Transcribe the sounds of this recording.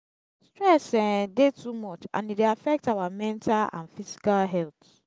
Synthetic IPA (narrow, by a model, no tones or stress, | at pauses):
stɹɛsɛ̃detʰumɔt͡ʃã̰nideafɛk̚tawamɛ̃ntʰalã̰nfisi̥kalɦɛlt̪